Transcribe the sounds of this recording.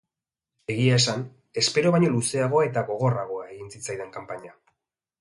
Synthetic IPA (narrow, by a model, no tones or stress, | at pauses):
e̞ɣiae̞san | e̞spe̞ɾo̞βajɲo̞luse̞aɣ̞o̞ae̞t̪aɣo̞ɣ̞o̞raɣ̞o̞aeɣint͡sit͡sajðe̞ŋkampaɲa